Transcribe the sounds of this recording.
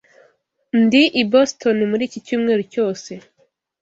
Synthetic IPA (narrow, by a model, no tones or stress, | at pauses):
ndiʔibostʰonimuɾiːcicuːmŋe̞ːɾoco̞ːse̞